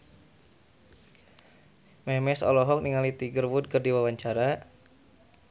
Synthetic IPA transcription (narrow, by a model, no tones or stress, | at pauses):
mɛmɛsɔ̰lɔɦɔk̚niŋalit̪iɡərwʊt̪̚kərdiwawaɲt͡ʃaɾa